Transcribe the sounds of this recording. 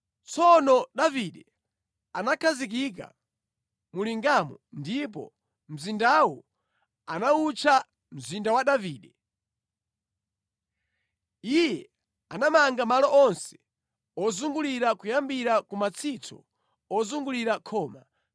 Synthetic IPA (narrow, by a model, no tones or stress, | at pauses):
t͡sʰɔnɔɗaviɗɛ | anakʰazik̬ik̬a̰ | muliŋɡamɔndip̬ɔ̰ | m̩zindawɔ | anaut͡ʃʰa | m̩zindawaɗaviːɗɛ | ijɛ | anamaŋɡamalɔʔɔnsɛ̥ | ɔzuŋɡuliɾakujambiɾakumat͡sʰit͡sʰɔ̰ | ɔzuŋɡuliɾakʰɔːma